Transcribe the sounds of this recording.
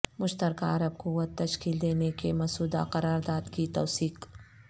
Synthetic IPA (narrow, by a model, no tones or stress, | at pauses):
mʊʃt̪əɾkaɐɾəb̚kuwət̪ːɐʃkiːld̪eːnekemɐsuːd̪a̰qɐɾaːɾd̪aːd̪kit̪ɔːsiːq